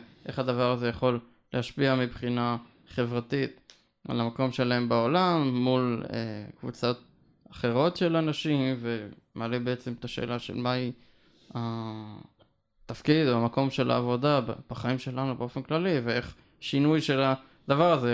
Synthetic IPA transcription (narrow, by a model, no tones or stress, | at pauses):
ʔe̞χad̪avaʁazejaχo̞l | leaʃpiamibχina | χe̞vʁat̪it̪ | a̰lamako̞mʃe̞lae̞mbao̞lamːulḛkvṵt͡so̞t̪̚ | aχe̞ʁo̞tʃe̞lanaʃimvemealebe̞et͡semet̪aʃḛːlaʃḛlmai | a | t̪afkid̪oamako̞mʃe̞lʔa̰ːvo̞d̪abb̥aχaimʃe̞lanubeo̞fenklalivee̞χ | ʃinujʃe̞la | d̪avaʁaze